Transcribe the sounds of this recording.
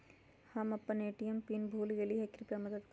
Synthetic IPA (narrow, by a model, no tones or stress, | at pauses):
hɐmɐpːɐneːʈijɐmpinbʱuːliɡeliɦɐkːɾipɐmɐd̪ɐt̪k